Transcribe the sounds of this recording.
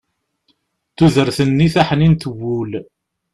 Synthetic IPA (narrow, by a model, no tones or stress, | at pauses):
θuðəɾθənːiθaħnint̪əwːul